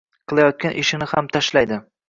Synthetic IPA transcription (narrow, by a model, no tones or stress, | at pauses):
qʰɨlˠajɒt̪̚kʲanʔɪʃɪnɪhamt̪ʰaʃlajd̪ɪ